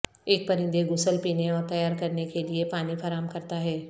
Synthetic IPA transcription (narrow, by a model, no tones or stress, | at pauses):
eːk̚pɐɾɪ̃nd̪eɡʊsəlpiːneɔːɾt̪ɐjaːɾkɐɾnekeliepaːnifʰɐɾaːmkɐɾt̪aɦɛː